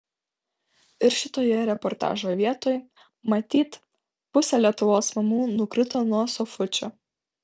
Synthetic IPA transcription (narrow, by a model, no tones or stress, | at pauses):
ɪɾʃʲɪt̪oːjɛɾʲɛpɔɾt̪ɑ̰ːʒoːʋʲiɛt̪oːj | mɐt̪ʲiːt̪ | pʊsʲɛlʲiɛt̪ʊʋoːsmɐmuːnʊkɾʲɪt̪oːnuɔsɔfʊt͡ʃʲoː